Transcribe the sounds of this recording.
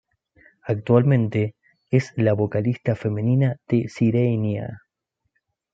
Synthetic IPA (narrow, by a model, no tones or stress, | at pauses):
ak̚t̪walmẽnt̪e̞ | eslaβo̞kalist̪afe̞me̞ninað̥esiɾejnja̰